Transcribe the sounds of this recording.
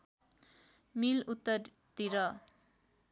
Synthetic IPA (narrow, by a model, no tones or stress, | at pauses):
milut̪ːʌɾ | t̪iɾʌ